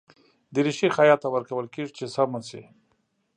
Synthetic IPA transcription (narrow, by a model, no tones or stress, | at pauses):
d̪əɾiʃixajɑt̪ːawəɾkawəlkeʐit͡ʃesamat͡se